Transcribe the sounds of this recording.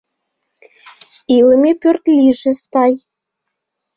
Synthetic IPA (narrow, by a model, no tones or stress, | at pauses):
iləmepørt̪lʲiʒĕspɑj